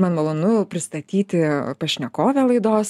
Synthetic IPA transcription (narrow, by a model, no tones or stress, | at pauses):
mɐnmɐlˠoːnʊpʲɾʲɪst̪ɐt̪ʲiːt̪ʲɪpɐʃʲnʲɛkoːʋʲɛlˠɐɪd̪oːs